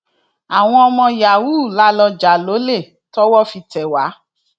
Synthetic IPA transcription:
a˨w̃ɔ̃˧ɔ˧mɔ̃˧ja˨wuː˦˨la˦lɔ˧d͡ʒa˨˦lo˨˦le˦˨ | tɔ˦wɔ˦fi˧tɛ˨wa˨˦

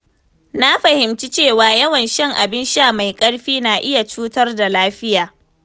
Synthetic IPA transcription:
na˦ɸɐ˨hɪ˨mt͡ʃi˦t͡ʃeː˦˨waː˨jɐ˦wɐ˨nʃɛ˦ŋʔa˨bɪ˦nʃa˦˨ma˨jkʼɐ˦ɽɸiː˦naː˨ʔɪ˦ja˨t͡ʃuː˦tɐ˦rda˨laː˦ɸɪ˦jaː˨

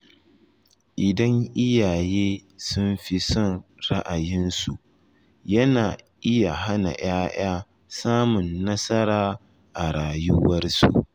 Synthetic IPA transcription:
ʔɪ˨dɐ˦ŋʔɪ˦jaː˨jeː˦sʊ˦mɸi˦sɔ˦˨nɾa˦ʔa˨jɪ˦nsu˨ | jɐ˦naː˨ʔɪ˦ja˨ɦa˦na̰˨j̰aː˦j̰aː˦ | saː˦mʊ˨nːɐ˦sɐ˦ɾaː˦ | ʔa˨ɾaː˨jʊ˦wɐ˦rsṵ˨

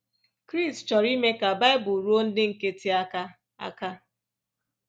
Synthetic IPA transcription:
kɾi˦˨stt͡ʃɔ˨ɾi˦me˦ka˨ba˦ɪ˦bʊ˨ɾo˦n̩˦dɪ˦ŋ̩˨ke˦ti˦a˦ka˦ | a̰˦ka˦

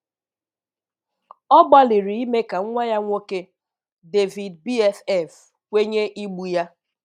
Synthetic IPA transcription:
ɔ˦ɡ͡ba˦li˨ɾi˨i˦me˦ka˨˦ŋʷa˦ja˦ŋʷo˦ke˦ | de˨vi˨dbi˦ɛ˦fɛ˦˨f | kʷe˦ɲe˦ʔi˦ɡ͡bu˨ja˦

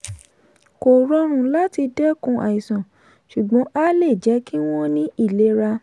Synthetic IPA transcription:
ko˨ɾɔ˧ɾ̃ũ˨la˦ti˧dɛ˦kũ˧ʔa̰˨i˨sã˨ | ʃu˨ɡ͡bɔ̃˨˦a˦le˦˨d͡ʒɛ˨˦ki˦w̃ɔ̃˦nĩ˦i˦˨le˨˦ɾa˧

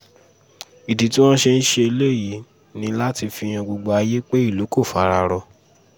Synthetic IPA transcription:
i˨di˨˦ti˦w̃ɔ̃˦ʃe˧n̩˦ʃe˧e˧le˦˨ji˨˦ | nĩ˧la˦ti˧fi˧j̃ã˧ɡ͡bo˧ɡ͡ba˧˦a˧je˦k͡pe˦i˦˨lo˨˦ko˦˨fa˨˦˧ɾa˧ɾɔ˧

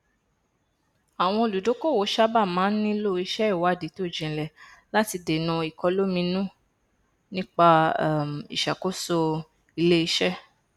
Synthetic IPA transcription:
a˨w̃ɔ̃˧o˧lu˨do˨˦ko˦˨wo˨˦ʃa˦ba˦˨mãː˨˦n̩˦nĩ˦lo˦i˧ʃɛ˦i˦˨wa˨˦˨di˨˦to˦˨d͡ʒĩ˨lɛ˨la˦ti˧de˨nũ˧i˨kɔ˧lo˦mĩ˧nũ˦ | nĩ˦k͡pa˧˦˨m˨ḭ˨ʃa˨ko˦so˧ | i˧le˦i˧ʃɛ˦

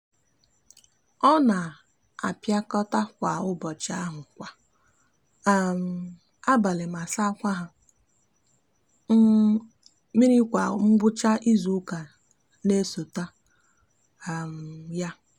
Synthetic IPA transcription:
ɔ˦na˨ | a̰˨pja˦kɔ˦ta˦kʷa˨ʊ˦bɔ˨t͡ʃa˦ɦʊ˨kʷa˨˦˨ | m̩˨ | a˦ba˨le˨ma˨sa˦kʷa˦ɦa˨˦ | mi˦ɾi˦kʷa˨ŋ͡m̩˦ɡ͡bʊ˦t͡ʃa˦ʔi˦zu˨˦ka˨ | ne˦so˨ta˦ | a˨m̩˨ja˦

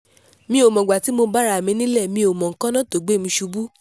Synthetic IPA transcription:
mĩ˧˦o˨mɔ̃˨ɡ͡ba˨ti˨˦mo˧ba˦ɾa˧˦˨mĩ˧˦nĩ˦lɛ˦˨mĩ˧o˨mɔ̃˨ŋ̩˨kã˦nã˦to˨ɡ͡be˦˨mĩ˧ʃu˧bu˦

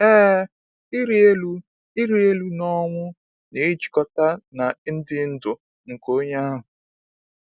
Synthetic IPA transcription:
ɛː˦ | i˦ɾi˦e˦lu˦ | i˦ɾi˦e˦lu˦nɔ˦ŋʷʊ˦ | ne˨˦d͡ʒi̥˨kɔ˦ta˦na˨˦n̩˦dɪ˦n̩˦dʊ˨ | ŋ̩˨ko˦ɲa˦ɦʊ˨

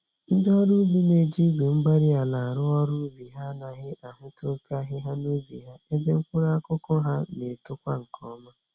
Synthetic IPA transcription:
n̩˦dɔ˦ɾu˦bi˦ne˨d͡ʒi˦bu˨ŋ͡m̩˦ɡ͡ba˦ɾi˦a˨la˨a˨ɾʊ˦ɔ˦ɾu˦bi˨ɦa˦na˨ɦɪ˦a˨ɦʊ˦tʊ˦ka˦ɦɪ˦ɦa˦nu˦bḭ˨ɦa˦e˦be˦ŋ̩˦kʷʊ˦ɾa˦a˦kʊ˦kɔ˦ɦa˦ne˨tʊ˦kʷa˦ŋ̩˨kʰɔ˦ma˦

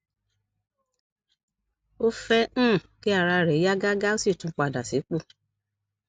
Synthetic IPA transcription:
o˦fɛ̃˦˨ki˦a˦˨ɾa˧ɾɛ˨˦ja˦ɡa˦ɡa˦o˦si˦˨tũ˨˧˦k͡pa˨da˨si˨˦k͡po˦˨

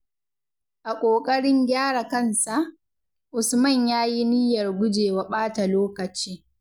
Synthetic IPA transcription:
ʔa˨kʷʼoː˨kʼɐ˦ɽɪ˦ŋɡʲaː˦ɽa˨kɐ˦nsa˨ʔ | ʔʊ˨smɐ˦˨ɲjaː˦ji˦nɪ˦jɐ˨rɡʷʊ˦d͡ʒeː˨wɐ˨ɓaː˦ta˨loː˦kɐ˨t͡ʃiː˦

